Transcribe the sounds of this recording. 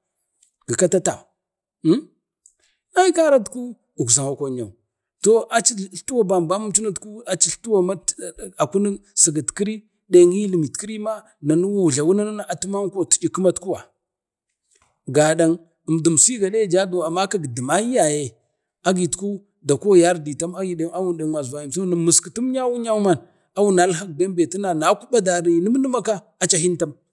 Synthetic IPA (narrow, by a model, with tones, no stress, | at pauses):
ɡ̥ə˨ka˦ta˦ta˨˦ | a˦jka˦ɾa˦tku˦ | u˨ka˨ŋa˨kʷo˨ɲo˨ | to˦ʔa˨t͡ʃi˦˨ɬtu˦wa˨ba˨m˨ba˦mu˦mt͡ʃu˦na˦tku˦a˨t͡ʃi˦ɬtu˦wa˦˨ma˦˨a˨ku˦ni˦sə˨ɡa˨tki˦ɾi˦ | ɗa˨ŋi˦li˨mi˨tki˦ɾi˦ma˦ | na˨nu˦wu˦˨ɮa˨wu˦na˦na˦na˦ʔa˨tu˦ma˦ŋ˦ko˦tu̥˨d͡ʒi˨ku˦ma˦tku˦wa˨ | ɡa˨ɗa˨ŋ | ə˨m˨du˨msi˦ɡa˨ɗe˦˨d͡ʒa˦du˨a˨ma˦ka˦ɡdi˨ma˦ji˦ja˨je˨ | a˦ɡi˨tku˦ | da˨ko˦˨ja˦ɾdi˨ta˦ma˦ɡi˨de˦a˦wu˦˨nde˨ŋ˨a˨za˨ji˨m˨so˦na˨mə˨ski˨tu˦m˦ɲa˦wu˦ɲa˦ma˨n | a˦wu˦na˨˦lɦa˦k̚da˦mbe˨ti˦na˨na˨˦ku˦ɓa˦da˨ɾi˨ni˦m˦nə˦ma˦ka˦ | a˨t͡ʃa˨hi˦nta˦m